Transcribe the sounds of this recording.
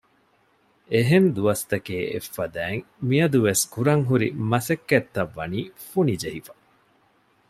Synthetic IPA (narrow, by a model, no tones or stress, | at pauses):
eɦend̪uɐst̪ɐkeːḛfːɐd̪æːŋ | miɐd̪uʋeskuɾɐŋɦuɾḭmɐsekːet̪ːɐʋːɐniːfunid͡ʒeɦifɐ̥